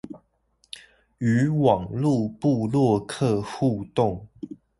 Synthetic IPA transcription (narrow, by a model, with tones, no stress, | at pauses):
y˨˦wɑ˨˩ŋlu˥˨pu˥˧lwɔ˥˨kʰɤ˥˧xu˥˧t̪ʊ˥˨ŋ